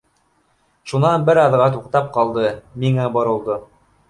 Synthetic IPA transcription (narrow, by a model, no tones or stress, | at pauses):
ʃunɑnbɘɾɑðʁɑt̪uqt̪ɑp̚qɑlˠd̪ɤmiŋæbɑɾɤ̆lˠd̪ɤ